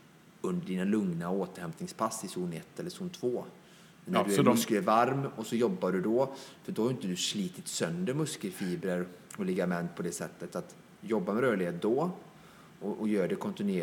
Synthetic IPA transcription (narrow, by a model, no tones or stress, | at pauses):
ɵnd̪əɖiːnalɵŋnaoːt̪əɾhɛmt̪nɪŋspʰasːɪsuːnɛt̪ːɛlːəsuːnt̪ʰvoː | nːd̪ɵækɛvaɾmɔsɔjɔbːaɖɵd̪ɔfœɖɔhaɾjʏnt̪əd̪ɵsliːt̪ɪt̪sœnd̪əɾmɵskəlfiːbɾəɾɔlɪɡamɛnt̪̚pʰɔd̪ɛsɛt̪ːət̪at̪ | jɔbːamɛɾœːɭɪheːt̪̚d̪ɔ | ɔʔɔjœːɖɛkʰɔnt̪ɪnʉeː